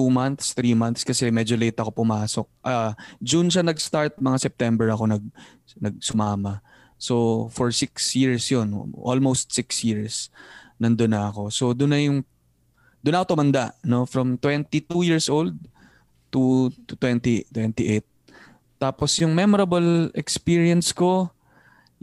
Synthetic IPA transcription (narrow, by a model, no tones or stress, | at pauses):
umɐnθst̪ɾiːmɐnθskɐsɛmɛd͡ʒolet̪ːɐko̞pʊmaːsok̚ʔɐd͡ʒunʃanɐɡst̪aɹt̪̚mɐŋasɛp̚t̪ɛmbɛɹɐko̞nɐɡ̚ | nɐɡ̚sʊmaːmɐ | so̞fɔɹsɪksjiɹsjon̰ʔo̰lmowst̪̚sɪksjiɹsnɐnd̪onɐɐko̞so̞d̪ʊnːɐjʊŋ | d̪̥ʊnɐkot̪ʊmɐnd̪aʔno̞fɹɐmt̪wɛnt̪it̪ujiɹsʔowld̪̚ | t̪ut̪ʊt̪wɛnt̪it̪wɛnt̪iʔet̪̚ː | aːposjʊŋmɛmoɾɐbɐlɛkspiɹɪɐnsko̞